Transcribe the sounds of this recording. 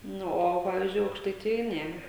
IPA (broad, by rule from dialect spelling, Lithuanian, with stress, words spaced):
ˈnʊ oː ˈpɑːʋʲɪzʲd͡ʒʲʊɪ ɐʊkʃtɐɪˈtʲɪjoːj ˈnʲɛ